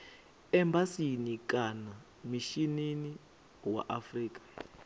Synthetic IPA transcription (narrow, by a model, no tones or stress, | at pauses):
ɛmbasinikʼana | miʃinini | wa̰ʔafriːk̬ʼḁ